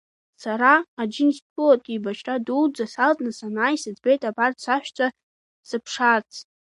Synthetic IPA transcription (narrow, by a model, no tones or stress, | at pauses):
saɾaːd͡ʒɪnistkʼɨlatʼɡʲibat͡ʃʰʼraduwd͡zasaltʼnasanajsɨd͡zbejtʼabartsaʃᶣt͡sʷʰʼa | sɨpʰʂart͡sʰ